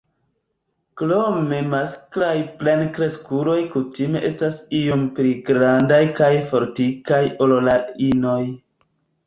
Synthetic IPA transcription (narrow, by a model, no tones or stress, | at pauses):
klomemasklajplenkɾe̞skuɾo̞jkutime̞ʔe̞stasijo̞mpliɡɾandajkajfo̞ɾtikajololaino̞j